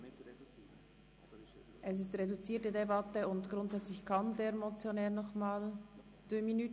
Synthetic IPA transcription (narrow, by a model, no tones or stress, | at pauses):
ʔɛs̬ɪstʁedut͡siːtədebatəʊntɡ̥ɾʊntz̥ɛt͡slɪçkʰandeːɾmot͡sjonɛːɾnɔχmaːl | d̥øminy